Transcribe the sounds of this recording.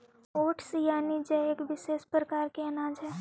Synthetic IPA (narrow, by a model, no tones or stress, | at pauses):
oːʈsjaːnid͡ʒɛeːkʋɪʃeːspɾəkaːɾkeɐnãːd͡ʒɦɛː